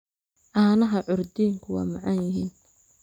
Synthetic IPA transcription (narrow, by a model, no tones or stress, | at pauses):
ʔaːnɐɦɐʕʊɾd̪iːŋkʰʊwɑ̰ːmɐʕɑnjɪɦiːn